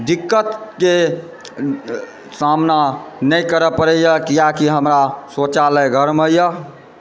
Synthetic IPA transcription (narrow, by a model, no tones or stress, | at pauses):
d̪ikːət̪ke | samnanəjkəɾəpəɾəjəkijakiɦəmɾasot͡ʃaləɡʱəɾməjə